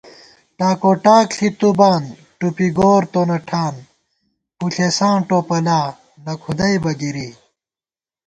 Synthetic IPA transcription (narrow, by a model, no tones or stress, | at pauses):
ʈaːkoʈaːkɬʰit̪ubaːn | ʈupiɡoːɾt̪onɐʈʰaːn | puɬʰesãːʈopɐlaː | nɐkʰud̪ɐjbɐɡiɾi